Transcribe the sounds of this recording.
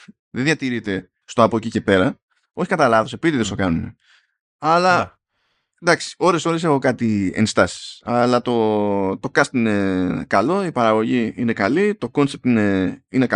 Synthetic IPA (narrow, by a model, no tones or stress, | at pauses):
ðenðʝɐt̪iɾit̪e̞ | st̪oɐpoecice̞pe̞ɾɐ | o̞çi̥kɐt̪ɐlɐðo̞sepit̪iðest̪o̞kɐnunḛ | ɐlɐ | d̪ɐksi̥o̞ɾe̞so̞ɾes̬e̞xo̞kɐt̪iḛnst̪ɐsi̥sɐlɐt̪o̞t̪o̞kɐst̪ine̞kɐlo̞ipɐɾɐɣo̞ʝiine̞kɐlit̪o̞ko̞nsep̚t̪ine̞ine̞k